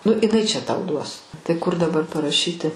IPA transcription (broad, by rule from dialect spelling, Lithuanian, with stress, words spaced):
nʊ ɪˈnɐɪ t͡ʃʲɛ tɐʊ ˈduɔs tɐɪ ˈkʊr dɐˈbɐr pɐrɐˈʃʲiːtʲɪ